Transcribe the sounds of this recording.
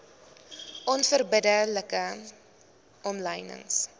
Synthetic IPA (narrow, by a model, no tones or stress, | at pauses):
ʔɔnfərbədələkə | ʔɔmləjnə̰ŋs